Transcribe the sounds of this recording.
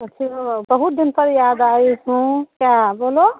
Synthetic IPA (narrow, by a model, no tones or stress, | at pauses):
ət͡ʃʰiɦobəɦut̪̚d̪inpəɾjad̪ajɦũkjabolo